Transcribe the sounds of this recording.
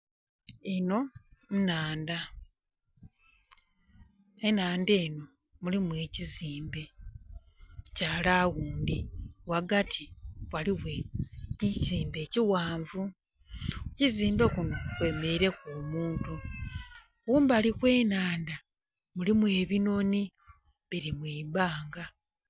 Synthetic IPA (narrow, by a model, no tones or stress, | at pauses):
eno̞nnaːnda | enaːnde̞ːno̞ | mulimwe̞ːciziːmbe̞ | caːlaːɣuːndiwaɡatʰiwaliwe̞icziːmbe̞ːciwaːɱvu | ciziːmbe̞kuno̞kwe̞ːme̞iɾe̞kuːmuːntu | wuːmbalikwe̞ːnaːnda | mulimwe̞ːβino̞ni | βiɾimwiːβaːŋɡa